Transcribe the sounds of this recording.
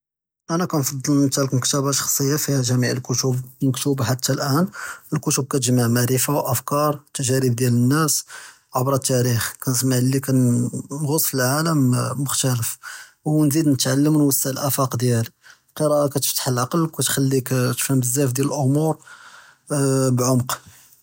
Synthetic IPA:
ʔænækænfɑd̪ˤːəlmt̪ælkməkt̪æbaʃxsˤːəjːafihæʒæmiʕəlkʊt̪ubməkt̪ubaħat̪ːælʔænəlkʊt̪ub̚kæt̪əʒmaʕmaɾifawʔəfkɑɾˤt̪ːəʒæɾəb̚d̪jælənːæs | ʕabɾˤɑt̪ːæɾixkænəsmaʕlːikænːɣosˤləlʕaləmmʊxt̪æləfwnzid̪nət̪ʕalːəmwnwəsːəʕəlʔæfɑqd̪jællqəɾˤɑʔakæt̪əft̪ːḁħəlʕɑqlkæt̪xælːikt̪fhæmbəzːæfd̪jæləlʔʊmuɾ | bʕomq

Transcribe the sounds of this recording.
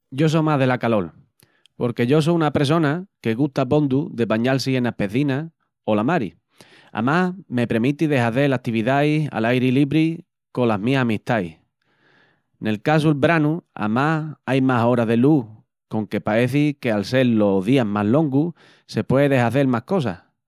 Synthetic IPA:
ɟ͡ʝo̞s̬o̞maɦðe̞lakalo̞l | po̞ɾke̞ʝo̞s̬o̞junapeɾs̬o̞nake̞ɣuht̪abo̞nd̪uðe̞βaɲalsie̞nape̞θina | o̞lamaɾḭ | a̰mahme̞pɾemit̪iðe̞ɦaθe̞lat̪iβiðajsa̰lajɾiliβɾi | ko̞laɦmĩasamiht̪ajh | ne̞lkas̬ulβɾanua̰mahajmaso̞ɾaðe̞lu | ko̞ŋke̞paɾe̞θike̞alse̞llo̞ðiaɦmaɦlo̞ŋɡu | se̞pwe̞ðe̞haθe̞lmahko̞s̬a̰h

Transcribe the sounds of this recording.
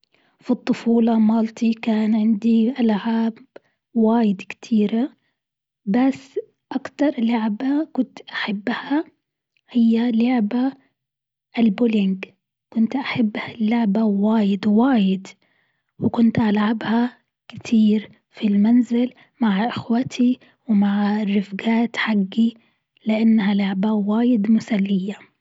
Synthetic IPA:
fit̪ˤːʊfuːlɑmɑːlt̪ikaːnʕɪnd̪iʔalʕaːb | waːjɪd̪kɪ̥t̪ʰiːɾa | basː | ʔakt̪ɑɾˤlʊʕbakʊnt̪ʔaħabːha | hɪjːalʊʕba | ʔɪlbʊlɪŋɡ | kʊnt̪ʔaħabːhalʊʕbawaːjɪd̪waːjɪd̪ | wɪkʊnt̪ʔalʕabha | kɪ̥t̪ʰiːɾ | filmanzɪl | maʕʔɪxwat̪ʰi | wmaʕrːɪfɡaːt̪ħaɡːi | lɪʔanːɦalʊʕbawaːjɪd̪mʊsalːɪjːa

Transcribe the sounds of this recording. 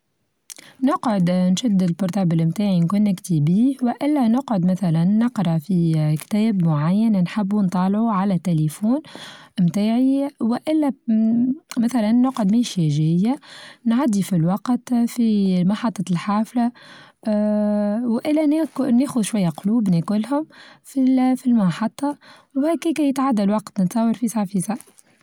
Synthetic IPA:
nʊqʕod̪nʃæd̪ːɪlbʊɾˤt̪ɑːbəlmt̪aːʕinkuːnːɪkt̪ibiːwɪʔɪlːænʊqʕʊd̪mæθælænːəqɾˤɑʕfikt̪ɛːbmʊʕajːannħabːunt̪ˤɑːlʕuʕalæt̪ːelefuːnmt̪aːʕiwɪʔɪlːæ | mæθælænːʊqʕʊd̪miːʃɛʒɪjːanʕad̪ifilwɑqt̪fimɑħɑt̪ˤːɑlħaːfla | wʔɪlːænkneːxʊðʃwajːaqʊluːbnekʊlɦʊmfifilmɑħɑt̪ˤːɑ | whɛːkikæjət̪ʕad̪ːalwɑqt̪nɪt̪sˤɑwːɑɾfisaʕfisaʕ

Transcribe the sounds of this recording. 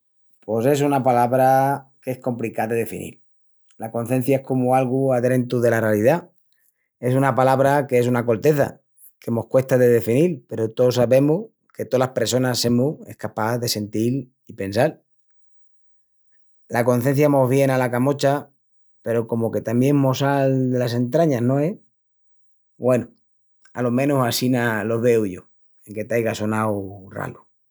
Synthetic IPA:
pwo̞se̞s̬unapalaβɾake̞hko̞mplikaðe̞ðe̞fḭnḭl | lako̞n̟θe̞n̟θjae̞hko̞mualɣuaðɾe̞nt̪uðe̞larealiða | e̞s̬unapalaβɾakees̬unako̞lt̪e̞θa̰ | ke̞mo̞hkwe̞st̪aðe̞ðe̞finilpe̞ɾot̪osaβe̞mu | ke̞t̪olahpe̞ɾso̞nasːe̞mue̞hkapaðe̞se̞nt̪il | ipe̞nsal | lako̞n̟θe̞n̟θjamoɦβje̞nalakamo̞t͡ʃa | pe̞ɾo̞ko̞moke̞t̪amje̞ŋmo̞sald̪e̞lase̞nt̪ɾaɲahno̞e | ɡwe̞nu | alomẽ̞nusasinalo̞βe̞uʝo | e̞ŋke̞t̪ajɣaso̞nawra̰lu̥

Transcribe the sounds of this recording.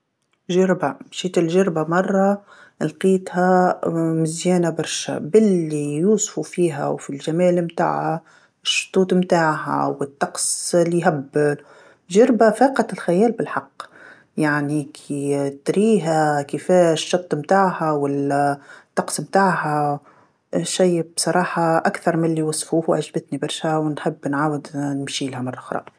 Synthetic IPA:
ʒʊɾbamʃiːt̪ɪlʒʊɾbamɑrˤːɑ | ʔlqiːt̪hamɪzjæːnabɑɾˤʃa̰bɪlːijuːsˤfufiːɦa̰wfilʒamæːlmt̪a̰ːʕha | ɪʃːɑ̥t̪ˤuːt̪ˤmt̪aːʕɦa̰wɪt̪ːɑqslːiɦabːɪl | ʒʊɾbafaːqat̪ɪlxajæːlbɪlħɑqː | jaʕnikʰit̪ɾiːɦækɪfɛːʃːɑtt̪ˤːmt̪aːʕhæwɪlt̪ːɑqsmt̪aːʕhæ | ʃiːbsˤɑɾˤɑːħɑʔakθɑɾˤmɪlːiwɑsˤfuːhwʕaʒbɪt̪nibɑɾˤʃæwnħɪbːnʕaːwɪd̪nɪmʃiːlhæmɑrˤːɑʔxɾˤɑ̰

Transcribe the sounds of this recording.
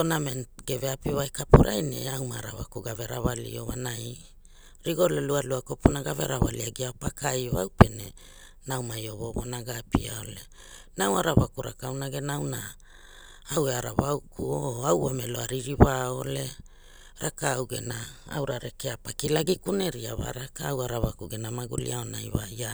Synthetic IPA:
tonamentɡeveapivajkapuɾʔa̰jnḛawmaɾa̰βa̰kuɡave̞ɾaβalḭowa̰naj | ɾiɡo̞lolualuakopunaɡaveɾaβaliaɡiapakajva̰wpene | nawmajoβo̞βonaɡapia̰o̞le̞ | nawaɾaβakuɾa̰kawnaɡe̞nawna | aweaɾaβaukʰuoawameloaɾiɾiβao̞le̞ | ɾʔakaːwɡḛnaa̰wɾaɾekeapakilaɡikuneɾia̰βa̰ɾakaawaɾaβakuɡenamaɡṵlḭaonajβaja

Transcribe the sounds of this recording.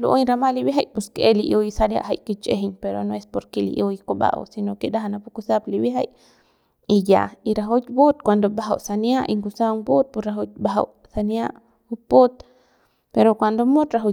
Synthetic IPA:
luʔoɲɾamalibiɦajpuskeeliʔujsaɾja̰ʔɦajkit͡ʃeɦiɲpeɾonoespoɾkelḭʔujkoba̰ʔo̰sinokedaɦanapukusaplibiɦaj | ija̰iɾaɦot͡ʃ̪but̪̚kʷwand̪obaɦa̰wʔsanjaʔiŋkusaŋbut̪̚pusɾaɦot̪̚baɦa̰w | sanjaʔ | uput̪̚ | peɾokʷwʷand̪omot̪ɾaɦu

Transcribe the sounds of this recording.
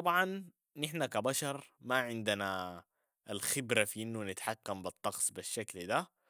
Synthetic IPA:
t̪ˤɑbʕɑnː | ʔɪħnakabaʃɑɾˤmaʕɪnd̪ɪna | lxɪbɾafiʔɪnːunɪt̪ħakːambɨt̪ˤːɑqsˤbɪʃːakld̪a

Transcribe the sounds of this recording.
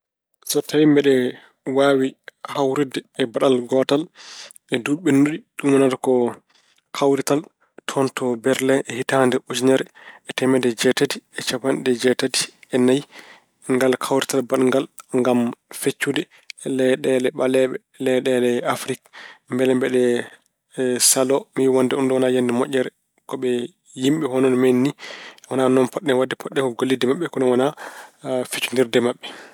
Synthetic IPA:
sɔtʰawimbɛɗɛ | waːwihawɾɛdɛɛbaɗalɡɔtal | ɛduɓenːuɗiɗumɔnatakɔ | kʰawɾital | tʰɔntɔbɛɾlɛʔɛhitandɛud͡ʒinɛɾɛtɛmɛdɛd͡ʒɛtadiɛt͡ʃapandɛd͡ʒɛtadiɛnaj | ŋɡalkʰawɾitalbaɗŋɡalŋɡamfet͡ʃːudɛ | ɛlɛɗɛlɛɓalɛɓɛ | lɛɗɛlɛafɾikmbɛlɛmbɛɗɛ | salɔmiwɔndɛunduwɔnajandɛmɔʔʲɛɾɛ | kɔɓɛ | jimɓihɔnɔnmenːiwɔnanɔnpɔɗːɛwadːɛpʰɔɗːɛkɔɡolːidimaɓːɛkɔnɔwana | fet͡ʃːundiɾdɛmaɓːɛ

